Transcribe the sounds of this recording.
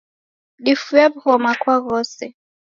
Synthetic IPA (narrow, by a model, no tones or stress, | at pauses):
ɗifujabhɔmakwaɣɔsɛ